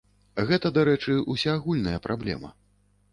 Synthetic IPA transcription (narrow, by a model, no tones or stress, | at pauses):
ɣɛt̪ɐd̪aɾɛt͡ʂɨusʲaːɣulʲnɐjɐpɾʔablʲɛ̰mɐ̰